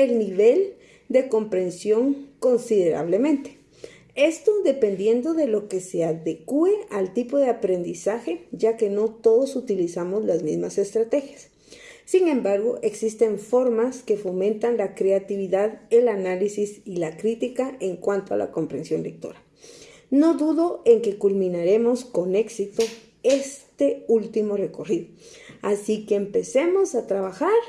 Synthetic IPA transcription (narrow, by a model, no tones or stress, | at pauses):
e̞lniβe̞l | d̪e̞ko̞mpɾe̞nsjo̞ŋko̞nsiðe̞ɾa̰β̞le̞mẽnt̪e̥ | e̞st̪o̞ðe̞pe̞nd̪je̞nd̪o̞ðe̞lo̞keseaðekue̞alt̪ipo̞ðeapɾe̞nd̪isaxe̞ʝake̞no̞t̪o̞ðosut̪ilisamozlazmizmase̞st̪ɾat̪e̞xjasː | iŋẽ̞mbaɾɣo̞ʔeksist̪e̞ɱfo̞ɾmaskefomẽnt̪anlakɾeat̪iβiðaðelanalisisilakɾit̪ikaeŋkwant̪oa̰lʔa̰kompɾensjonlek̚t̪o̰ɾa | noðuðoeŋkekulmĩnaɾemoskoneksit̪o | est̪eult̪imoreko̞riðoasikeːmpesemosat̪ɾaβaxaɾ